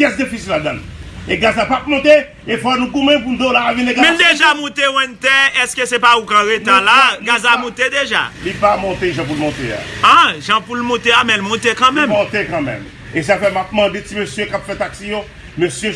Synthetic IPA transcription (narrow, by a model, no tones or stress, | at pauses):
pjɛsd̪ifisilad̪ãn | eɡazapap̚mɔ̃t̪e | efɔnũɡũmɛ̃p̬und̪olavinẽɡamɛ̃ld̪eʒamɔ̃t̪ew̃ɛ̃nt̪ɛɛskesɛpaukãʁet̪ãlaɡazamɔ̃t̪ed̪eʒa̰lipamɔ̃t̪eʒãp̬ulmɔ̃t̪ea̰ãʒãpulmɔ̃t̪eamɛ̃lmɔ̃t̪ekãmɛ̃mmɔ̃t̪ekɑ̃mɛ̰̃m | es̬afɛmap̚mãd̪et͡simøsjøkapfɛt̪aksijo | møsjø